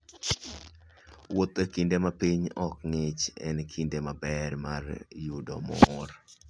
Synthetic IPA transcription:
wot̪ekindemapiɲɔkŋɪt͡ʃɛ̰nkʰindemabɛrmarjudɔmɔr

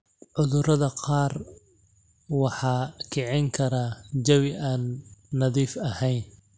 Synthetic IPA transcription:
ʕʊðʊɾɐðɐqɑːr | wɑħɑːkʰɛʕɪŋkʰɐɾaːd͡ʒɐwɪʔaːnːɐðiːfɐhɛjn

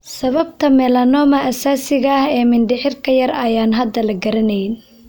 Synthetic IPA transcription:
sɐβɐb̚t̪ʰɐmɛːlɐnɔːmɐʔɐsaːsɪɣɐːhɛːmɪnɖɪħɪrkʰɐjɐrɐjaːnɦɐd̪ːɐlɐɡɐɾɐnɛjn

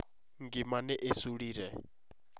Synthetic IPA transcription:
ŋɡimanɛʔesuɺiːɾɛ

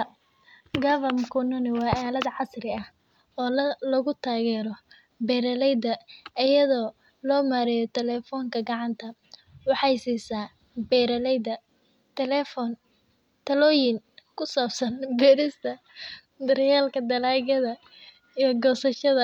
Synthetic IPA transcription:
ɡɐvɐmkʰʊnʊnɪwɑːʔaːlɐd̪ʕɑsrɪɐh | ɔːlɐɣʊt̪ʰaːɣɛːɾɔ | bɛːɾɐlɛjd̪ɐʔɪjɐðɔː | lɔːmaːɾɛjɔt̪ʰɛlɛːfɔːŋkʰɐɡɑʕɑnt̪ʰɐ | wɑħɑjsiːsaː | bɛːɾɐlɛjd̪ɐ | t̪ʰɛlɛːfɔn | t̪ʰɐlɔːjɪŋkʰʊsaːbsɐnbɛːɾɪst̪ʰɐ | d̪ɐrjaːlkʰɐd̪ɐlaːɣɐðɐ | ijɔɡɔːsɐʃɐðɐ

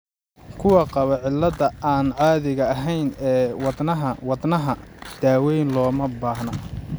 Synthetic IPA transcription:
kʰʊwɑqɑβɐʕɪlːɐðɐʔaːnʕɑːðɪɣɐːɦɛjnɛːwɑd̪nɐɦɐwɑd̪nɐɦɐd̪̥aːwɛjnlɔːmɐbaːhnɐ

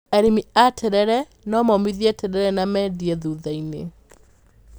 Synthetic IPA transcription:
ɛɾimiatʰɛɾɛɾɛ | nɔmɔmiðiɛtɛɾɛɾɛnamɛdiɛðuðainḛ

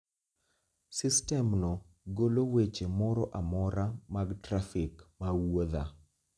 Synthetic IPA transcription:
sɪstɛmnɔ | ɡolowet͡ʃemɔɾɔʔamɔɾamaɡtɾafɪkmawoða

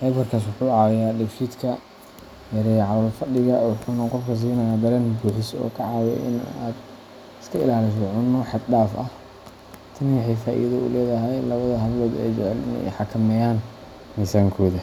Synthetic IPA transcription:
ħɛːbɐrkʰaːs̬wʊħuːʕɑɐjaːɖɛʃiːd̪kʰɐ | jɐɾɛjʕɑlɐlfɐɖɪɣɐwʊħuːnɐqɔfkʰɐs̬iːnɐjaːd̪ɐɾɛnbuːħɪsɔ̰ːkʰɐʕɑːwɛ̰ʔɪ̰na̰ːd̪ | ɪskʰɐɪ̰laːlɪs̬ɔʕʊnːɔħɑd̪ɖaːfɐh | t̪ʰɐnwɑħɛjfaːʔḭːðɐʊ̰lɛːðɐɦɛjlɐβɐðɐɦɐβlɔːd̪ɛ̰jt͡ʃɛʕɛlɪnɛ̰jħɑkʰɐmɛjaːn | mɪsaːŋkʰɔːðɐ

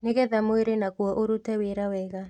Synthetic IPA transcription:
neɣɛðamoeɾenakwɔʔoɾutɛweɾawɛɣa

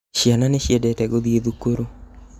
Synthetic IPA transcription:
ʃjananeʃjɛdɛtɛɡoðieðukoɾu

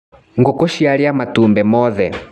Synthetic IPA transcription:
ŋɡɔkɔʃialiamatumbɛmɔðɛ

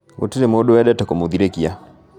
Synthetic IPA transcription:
ɡo̰tiɾemoɗoɛɗatakomuðiɾekia

